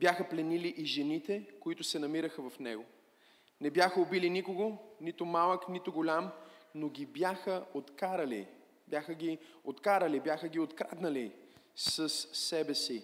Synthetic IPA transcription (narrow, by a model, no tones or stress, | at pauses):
bjaxəplɛniliʔiʒɛnit̪ɛkoit̪ʊsɛnɐmiɾəxəvɐfnɛ̰ɡo | nɛbjaxəobilinikoɡonit̪ʊmalˠəknit̪ʊɡolʲamnoɡʲibjaxəot̪kaɾɐlḭ | bjaxəɡʲiot̪kaɾəlibjaxəɡʲiot̪kɾad̪nɐlisəsːɛbɛsi